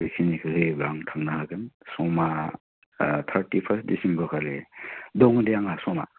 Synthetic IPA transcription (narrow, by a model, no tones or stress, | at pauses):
isʰinikʰɯhɯjbɾaŋtʰaŋnahaɡɯnsɔma | t̪ʰaɾtipʰaɾs̚disimbɔɾkʰaledɔŋdejaŋasɔma̰